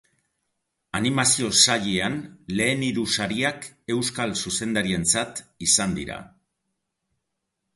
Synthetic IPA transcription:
animasio̞saʎeanle̞ːniɾusaɾiake̞wskalsuse̞nd̪aɾie̞nt͡sat̪isand̪ḭɾa̰

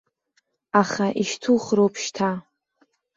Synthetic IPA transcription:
aχaʔiʃtʰuχrowpʰʃtʰa

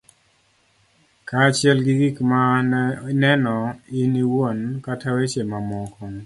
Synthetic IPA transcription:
kaːt͡ʃɪɛlɡiɡikmanɛnɔiniwonkatʰawet͡ʃemamɔkɔŋ

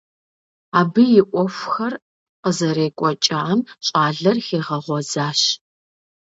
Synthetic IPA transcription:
aːbɨjɪʔʷɔfʷxɐr | qəzɐɾeːkʷʼɔt͡ʃʼɐʕamɕʼaːɮɐrxeːʁɐʁʷɔzaːɕ

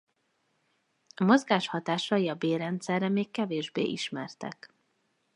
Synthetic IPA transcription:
ɒmo̞zɡaːʃhɒt̪aːʃɒjiɒbeːrɛnt̪sɛrːɛmeːkːɛveːʒbḛːʔiʃmɛrt̪ɛ̰k

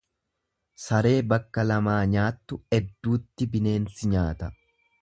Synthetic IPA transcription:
sɐɾe̞ːbɐkːɐlɐmaːɲaːt̪ːʊɛd̪ːuːt̪ːɪbɪne̞ːnsɪɲaːt̪ɐ

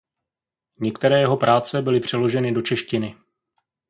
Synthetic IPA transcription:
ɲɛkt̪ɛɾɛːjɛɦo̞pɾʔaːt͡sɛbɪlɪpr̥ɛlo̞ʒɛnɪdo̞t͡ʃɛʃcɪnɪ

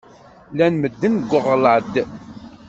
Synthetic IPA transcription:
lænməd̪ːənɡʷːəʁləʕd̪

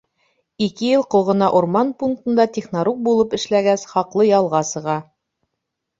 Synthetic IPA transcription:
ikɘjɤlˠqŏʁɤ̆nɑʔuɾmɑnpuŋk̚t̪ɤ̆nd̪ɑt̪ʲiχnaɾuk̚bulˠɤpɘ̆ʃlæɡæsχɑqlˠɤjɑlˠʁɑsɤ̆ʁɑ

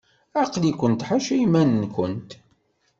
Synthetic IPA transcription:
æqlikʷənt̪ħaʃimænnkʷənt̪

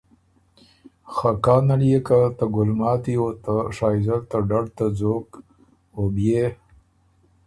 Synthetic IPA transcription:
xakaːnaljekat̪aɡʊlmɑːt̪ijot̪aʂaːjzaɾt̪aɖaɖt̪ad͡zoːk | obje

